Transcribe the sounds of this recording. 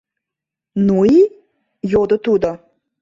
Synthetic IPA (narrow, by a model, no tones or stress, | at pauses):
nui | jod̪ŏt̪ud̪o